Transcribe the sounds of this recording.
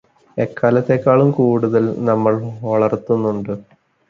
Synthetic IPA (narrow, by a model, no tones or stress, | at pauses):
ekːaːlɐt̪ːe̞ːkːaːɭumkuːɽuðɐlnɐmːɐɭʋɐɭɐrt̪ːunːuɳɖɨ